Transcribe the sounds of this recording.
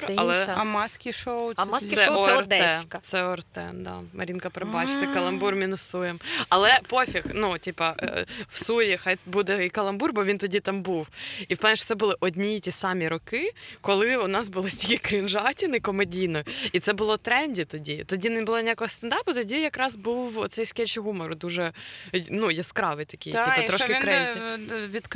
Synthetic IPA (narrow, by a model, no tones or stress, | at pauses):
ɐ̰lˠɛɐmɑsʲkʲiʃowsɛɔrd̪ɛɛskɐt̪sɛɔrt̪ɛ̰d̪ɑ̰mɐ̰ɾʲinkɐpɾebɑt͡ʃɪ̥t̪ɪkɐlˠɐmburmʲinfsujɪmɐlˠɛpofʲixnutʲipɐwsujixɑjbud̪ɛikɐlˠɐmburbɔʋʲint̪ɔdʲit̪ɑmbuwifplˠnʲɛʃʂt̪sɛbʊlˠɪʔɔdʲnʲitʲisɑmʲiɾɔkɪkɔlˠɪʊnɑsbʊlˠɪsʲtʲikʲɪkɾɪnʒɑtʲɪnɪkɔmɛdʲijnɔit̪sɛbʊlˠɔt̪ɾɛnʲdʲit̪ɔdʲit̪ɔdʲinɪbʊlˠɔnʲɪjakɔɦɔst̪ɐnd̪ɑpʊt̪ɔdʲijɐkɾɑzbuwɔt̪sɛjsʲkʲɛlʲt͡ʃɪɦumɔɾʊd̪uʒɛnujɛskɾɑʋɪjt̪ɐkʲijt̪ʲipɐt̪ɾɔʃkɪkɾɛsʲʋʲit̪